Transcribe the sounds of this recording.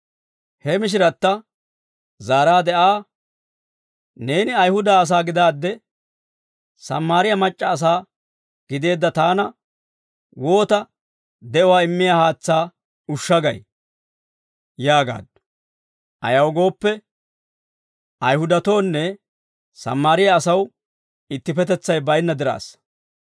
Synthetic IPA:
hɛmɪʃ̬ɪɾɐt̪ːɐ | zaːɾaːd̪ɛʔaː | ne̞ːnɪɐjhʊd̪aːs̬aːɡɪd̪aːd̪ːɛ | sɐmːaːɾɪjɐmɐt͡ʃʼːɐːs̬aː | ɡ̥ɪd̪e̞ːd̪ːɐt̪aːnɐ | wo̞ːt̪ɐ | d̪ɛʔɔwaːɪmːɪjaːhaːt͡sːaː | ʊʃːɐɡɐj | jaːɡa̰ːd̪ | ʔɐ̰jɐwɡo̞ːpːɛ | ɐjhʊd̪ɐt̪o̞ːnːɛ | sɐ̰mːaːɾɪjɐːsɐw | ɪt̪ːɪpɛt̪̬ɛt͡sːɐjbɐjnːɐd̪ɪɾa̰ːs

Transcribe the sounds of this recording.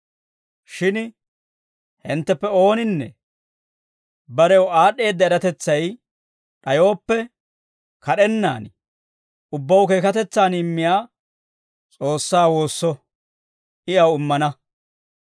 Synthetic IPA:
ʃɪn | hɪnt̪ːɛpːɛo̞ːnɪnːɛ̰ | bɐɾɛwaːɗːe̞ːd̪ːɐɛɾɐt̪ɛt͡sːɐj | ɗɐjo̞ːpːɛ | kɐɗɛnːa̰ːn | ʊbːɐwke̞ːkɐt̪ɛt͡sːaːnɪmːɪjaː | t͡sʼo̞ːsːaːwo̞ːsːɔ | ʔɪɐwɪmːɐnɐ

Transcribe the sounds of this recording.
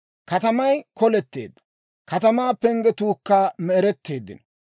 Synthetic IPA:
kɐt̪ɐmɐjkɔlɛt̪ːe̞̰ːd̪ːɐ̥ | kɐt̪ɐmaːpːɛŋɡɛt̪uːkːaːmɛːɾɛt̪ːeːd̪ːɪ̰n

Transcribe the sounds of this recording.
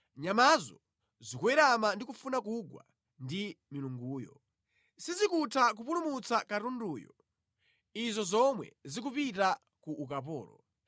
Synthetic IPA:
ɲamazɔ̰ | zikuwɛɾamandikufunakuɡwa̰ | ndimiluŋɡuːjɔ̰ | sizikutʰak̬upulumut͡sakaɾunduːjɔ̰ | izɔzɔmwɛ̰zik̬upita | kuʔːkap̬ɔ̰ːlɔ̰

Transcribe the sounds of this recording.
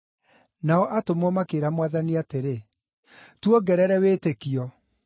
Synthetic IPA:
naɔʔatomɔmakeɾamwaðaniateɾe | twɔɡɛɾɛɾɛweːtekiɔ

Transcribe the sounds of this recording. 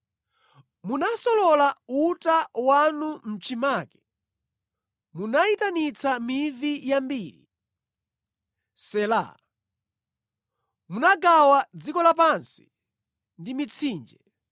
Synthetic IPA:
munasɔlɔlautawanum̩t͡ʃimaːkɛ̥ | munaitanit͡sʰamivijambiːɾḭ | sɛla̰ | munaɡawad͡zikɔlapansi̥ | ndimit͡sʰiːnd͡ʒɛ

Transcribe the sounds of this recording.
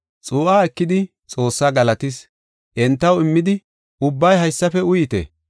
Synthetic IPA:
t͡sʼuːʔaːɛkːɪd̪ɪ | t͡sʼo̞ːsːaːɡɐlɐt̪ɪs | ʔɛnt̪ːɐwɪmːɪd̪ɪ | ʊbːɐjhɐjsːɐfɛʊjɪt̪ḛː

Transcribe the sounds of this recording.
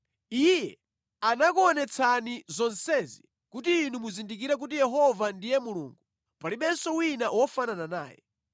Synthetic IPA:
ijɛ | anak̬uɔnɛt͡sʰanizɔnsɛːzi | kutiːnumuzindikiɾɛk̬utijɛɦɔvandijɛmuluːŋɡu | paliɓɛnsɔwinawɔfananana̰ːjɛ̰

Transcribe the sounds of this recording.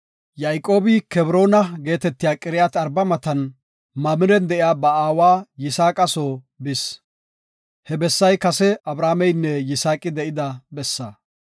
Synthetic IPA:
jajkʼo̞ːbɪkɛbɾo̞ːnɐɡe̞ːt̪ɛt̪ːɪjaːkʼɪɾɪjat̪ɐɾbɐmɐt̪ɐn | mɐmɪɾɛnd̪ɛʔjaːbɐaːwaːjɪsaːkʼɐsoː | bɪs | hɛbɛsːɐjkɐsɛɐbɾaːmɛjnːɛjɪsaːkʼɪd̪ɛʔɪd̪ɐbɛsːɐ

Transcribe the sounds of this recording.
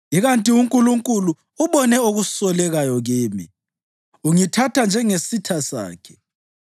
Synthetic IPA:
iɣantʼiuŋkʼuluŋkʼuluː | βɔnɛoɣusɔlɛɣajɔɣiːmḭ | uŋitʰatʰand͡ʒʱɛŋesitʰasa̰ːkʰɛ̥

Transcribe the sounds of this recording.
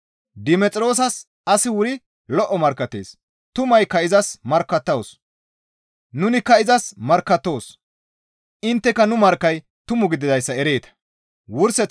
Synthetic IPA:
d̪ɪmɛt͡sʼɪɾo̞ːs̬ɐs | ɐsɪwʊɾɪ | lɔʔːɔmɐɾkːɐt̪ːḛːs | t̪ʊmɐjkɐɪzɐsmɐɾkːɐt̪ːɐwos | nʊnɪkːɐɪzɐsmɐɾkːɐt̪ːo̞ːs | ʔɪnt̪ːɛkːɐnʊmɐɾkːɐj | t̪ʊmʊɡɪd̪ɪzɐjsːɐɛɾe̞ːt̪ɐ̥ | wʊɾsɛt͡s

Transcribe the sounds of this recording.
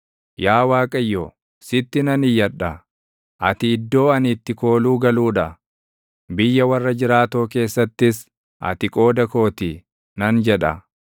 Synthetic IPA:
jaːwaːkʼɐjːoː | sɪt̪ːɪnɐnɪjːɐᶑɐ | ʔɐt̪ɪːd̪ːo̞ːɐnɪt̪ːɪko̞ːluːɡɐluːᶑɐ | bɪjːɐwɐrːɐd͡ʒɪɾaːt̪oːke̞ːsːɐt̪ːɪs | ʔɐ̰t̪ɪkʼo̞ːd̪ɐko̞ːt̪ɪ | nɐnd͡ʒɛᶑɐ̰

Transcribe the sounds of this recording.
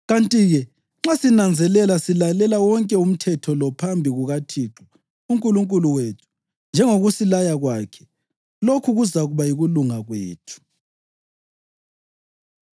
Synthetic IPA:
ɣantʼiɣɛ | ŋ͡ǁasinand͡zʱɛlɛlasilalɛlawɔŋkʼɛum̩tʰɛtʰɔlɔpʰambʱiɣuɣatʰiǁu | uŋkʼuluŋkʼuluwetʰu̥ | nd͡ʒʱɛŋoɣusilajaɣwaːkʰɛ̥ | lokʰuɣuzaɣuβajiɣuluŋaɣwḛːtʰu̥

